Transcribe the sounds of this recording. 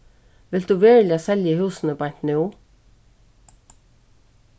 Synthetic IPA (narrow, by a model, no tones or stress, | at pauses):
ʋɪld̪ʉːʋeːɹlɪaːsɛljəhʉːsn̩əbajn̥t̪nɪː